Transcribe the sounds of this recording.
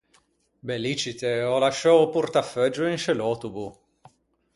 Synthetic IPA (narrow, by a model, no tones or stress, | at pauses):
belit͡ʃit̪eɔlaʃːɔwpurt̪afɛd͡ʒːʊinʃelɔt̪ubu